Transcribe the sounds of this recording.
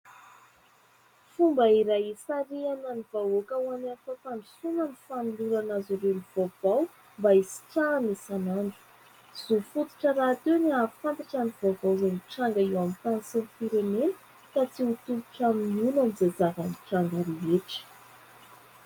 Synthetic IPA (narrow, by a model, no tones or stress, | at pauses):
fumbəiɾajisaɾiananiv̥aokawananfat̪aɳɖ͡ʐusunanifanuluɾanazuɾeliv̥av̥aw | mbaisi̥ʈ͡ʂanisanaɳɖ͡ʐu̥ | z̥ufut̪u̥ʈ͡ʂəɾat̪ewniafant̪aʈ͡ʂaniv̥avawzaniʈ͡ʂaŋɡaiwamit̪ansenfiɾemenə̥ | kat͡siut̪ulu̥ʈ͡ʂaminunamizad͡zavaniʈ͡ʂaŋɡaɾeɦeʈ͡ʂə̥